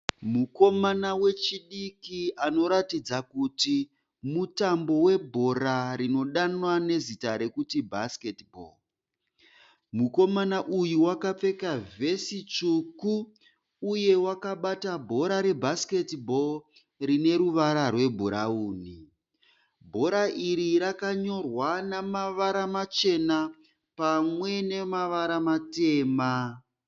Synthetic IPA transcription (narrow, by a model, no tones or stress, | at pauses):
muko̞manawe̞t͡ʃiɗikiano̞ɾatid͡zakuti | mutambo̞we̞bʱo̞ɾaɾino̞ɗanwane̞zitaɾe̞kutibʱasketbʱo̰ | muko̞manaʔujuwakap͡fe̞kave̞sit͡ʃukuː | je̞wakaɓatabʱo̞ɾaɾe̞bʱaske̞tbʱo̞ | rine̞ɾuʋaɾarwe̞bʱuɾauːni | bʱo̞ɾaʔiɾiɾakaɲo̞rwanamaʋaɾamat͡ʃe̞na | pamwe̞ne̞maʋaɾamate̞ːma